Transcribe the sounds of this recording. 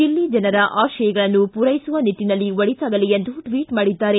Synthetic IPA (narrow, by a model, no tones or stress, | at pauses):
ilːid͡ʒɐnɐɾɐʔaːʃɐjɐɡɐɭɐnːupuɾɐjisuʋɐnit̪ːinɐlːiʋɐɭit̪aːɡɐlijend̪uʈʋiːʈmaːɽid̪ːaːɾe